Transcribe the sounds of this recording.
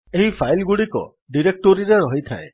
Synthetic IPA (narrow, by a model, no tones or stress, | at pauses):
eɦipʰajlɡuɽikɔ̰ | ɖiɾek̚ʈoɾiɾeɾɔɦit̪ʰa̰e